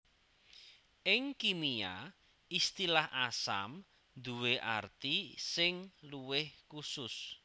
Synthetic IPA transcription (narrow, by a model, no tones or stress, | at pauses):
ʔɪŋkimia | ist̪ilahasa̰m | d̪uweʔart̪isɪŋluwɪhkusʊs